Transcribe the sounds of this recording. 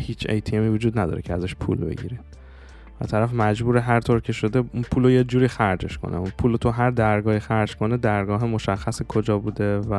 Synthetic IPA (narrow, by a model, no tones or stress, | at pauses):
hiːt͡ʃʰḛjt̪ʰiemiːvud͡ʒuːd̪næd̪ɒ̰ːɾecʰeæzæʃpʰṵːlbe̞̰ɟḭːɾid̪̥ | væ̰t̪ʰæɾæfmæd͡ʒbuːɾeɦæɾt̪ʰoɾcʰe̞ʃo̞d̪eunpʰuːlojed͡ʒuːɾiːxæɾd͡ʒe̞̰ʃkʰo̰nʔḛunpʰuːlot̪ʰuɦæɾd̪æɾɡɒːhiːxæɾd͡ʒkʰo̞ned̪æɾɡɒːɦemo̞ʃæxːæsekʰo̞d͡ʒɒːbuːd̪e̞væ